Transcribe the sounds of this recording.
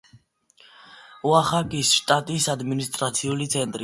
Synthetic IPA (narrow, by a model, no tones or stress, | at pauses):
uaχakʼisʃt̪ʼat̪ʼisad̪minist̪ʼɾat̪sʰiulit̪sʰɛnt̪ʼɾi